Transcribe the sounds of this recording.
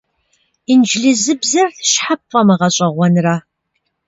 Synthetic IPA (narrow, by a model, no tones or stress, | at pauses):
ind͡ʒɮɨzɨbzɐrθʃħapʰʼfʼɐmɨʁɐɕʼɐʁʷɔnɨraː